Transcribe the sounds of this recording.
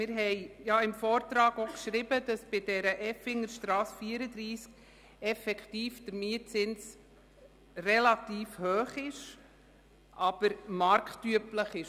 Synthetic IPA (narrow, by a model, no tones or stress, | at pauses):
mɪɾɦɛɪjɑɪmfɔːɾtɾɑːɡokʃɾɪbəd̥ɑsb̥ɪdɛɾəʔɛfɪŋəɾʃtɾɑːsfiːəɾəd̪ɾiːsk | ɛfɛkʰtiːfd̥əɾmiət͡sɪns | rɛlɑtiːfhœːχɪʃ | ʔɑb̥əɾmɑɾktyəpləχɪʃ